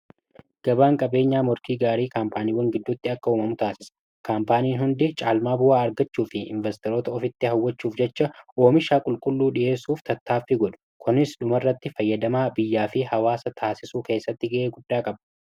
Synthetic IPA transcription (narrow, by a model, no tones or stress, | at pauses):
ɡ̥ɐbaːŋkʼɐbe̞ːɲːaːmɔɾkiːɡaːɾiːkaːmpaːniːwɐŋɡɪd̪ːʊt̪ːɪɐkːɐuːmɐmʊt̪aːsɪsɐ̥ | kaːmpaːniːnɦʊnd̪ɪt͡ʃʼaːlmaːbʊwaːɐɾɡɐt͡ʃːuːfɪɪ̰ɱvɛst̪ɛɾoːt̪ɐɔfɪt̪ːɪɦɐwːɐt͡ʃːuːfd͡ʒɛt͡ʃːɐʔoːmɪʃaːkʼʊlkʼʊlːuːᶑɪʔe̞ːsːuːft̪ʰɐt̪ːaːfːɪɡɔᶑɐ̥kʊnɪsᶑʊmɐrːɐt̪ːɪfɐjːɐd̪ɐmaːbɪjːaːfɪhɐwaːsɐt̪ʰaːsɪsuːke̞ːsːɐt̪ːɪɡɐʔeːɡʊdːaːkʼɐbɐ